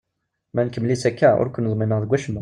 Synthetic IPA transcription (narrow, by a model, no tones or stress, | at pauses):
mænkəmlisækːæʊ̰ɾkʷʊnːðˤmiməʁðəɡʷːæʃmu